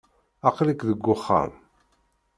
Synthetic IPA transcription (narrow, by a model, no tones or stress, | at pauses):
ɑqlikðəɡʷːʊχːa̰m